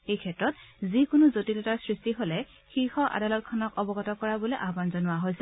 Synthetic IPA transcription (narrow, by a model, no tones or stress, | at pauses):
ejkʰɛtɹɔtzikʊnʊzotitɔtaɹsɹistiɦolɛ | xixɔʔa̰dalɔt̚kʰɔnɔkɔbɔɡɔtɔkɔɹabɔlejʔabanzɔnʊwaɦojsɛ